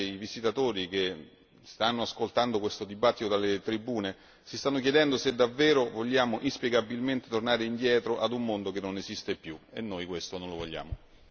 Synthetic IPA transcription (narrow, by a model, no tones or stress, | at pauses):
ivisit̪at̪oːɾik̟e | st̪anːoaskolt̪and̪okwest̪od̪ibat̪ːit̪od̪alet̪ɾibːuːne | sist̪anːok̟jɛd̪ɛnd̪osed̪avːɛːɾovoʎːaːmoʔispjeɡabilment̪et̪ornaːɾeind̪jɛːt̪ɾoʔad̪umːond̪ok̟enːonezist̪epːjuenːojkwest̪onõnlovoʎːa̰ːmo